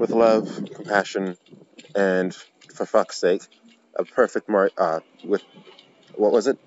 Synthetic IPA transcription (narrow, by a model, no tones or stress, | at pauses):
wəðlʌv̥kʰm̩pʰæʃɨ̃nɨ̃n | fə˞fʌkseɪk | ʔə̰pʰɜ˞fɨk̚t̚mɑɹʌ | wɪð | wʌʔ̚wʌzɨt̚